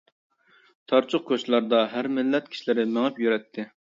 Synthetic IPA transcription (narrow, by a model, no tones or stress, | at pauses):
t̪ʰɑɾt͡ʃʰʊq̚kʲʰøt͡ʃlˠɑɾd̪ɑɦæɾmɪlːɛt̪̚kʲʰi̥ʃilɪɾɪmɪŋɛpjyɾɛt̪ʰːɪ